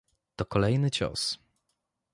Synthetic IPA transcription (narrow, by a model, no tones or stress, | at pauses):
t̪ɔkɔlɛjnɘt͡ɕɔ̰s